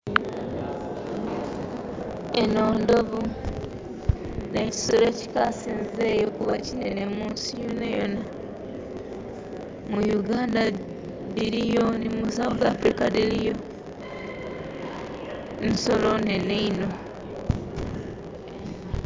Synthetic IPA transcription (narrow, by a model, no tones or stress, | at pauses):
eno̞ːndo̞βu | neci̥sule̞ci̥kasiːnze̞ːjokuβacinene̞muːnsijonajo̞̰na | mujuɡaːnda | ðiɾijo̞nimusaβoɡaːfɾikaðilijo̞ | niso̞lo̞neneino̞